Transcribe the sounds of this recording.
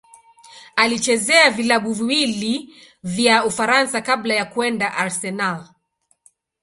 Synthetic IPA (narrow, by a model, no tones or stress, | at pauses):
alit͡ʃɛzɛavilaɓuviwili | vjaufaɾansakablajakuɛndaʔaɾsɛnal